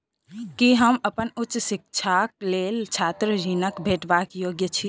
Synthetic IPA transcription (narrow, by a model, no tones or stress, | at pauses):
kiɦəməpənutːʃsik̚t͡ʃʰak̚lelt͡ʃʰat̪ɾəɾinəkbʱeʈbakjoɡjət͡ʃʰi